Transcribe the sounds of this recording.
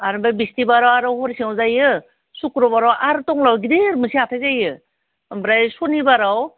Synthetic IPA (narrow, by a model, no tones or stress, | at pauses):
aɾɯbajbistibaɾawaɾawhɔɾsiawzajɯ | sukɾɔbaɾawʔaɾtɔŋlawɡiɾeɾmɯsiatʰajzajɯ | bɾajsɔnibaɾaw